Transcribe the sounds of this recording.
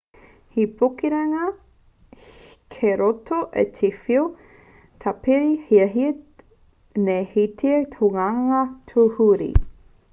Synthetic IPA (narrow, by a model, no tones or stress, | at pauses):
hipʰokiɾɐŋɐ | kʰeɾotoʔḛtʰifio | tʰapiɾihiɐɦi | nehitʰit̪hoŋaŋɐtʰuhuɾḭ